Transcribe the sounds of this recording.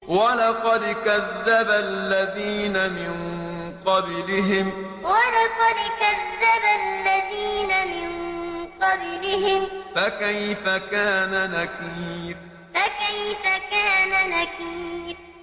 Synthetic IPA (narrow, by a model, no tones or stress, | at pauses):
walɑqɑd̪kaðːabalːaðiːnamɪn | qɑblɪɦɪm | walɑqɑd̪kaðːabalːaðiːnamɪnqɑblɪhɪmfakajfakaːnanakiːf | fakajfakaːnanakiːf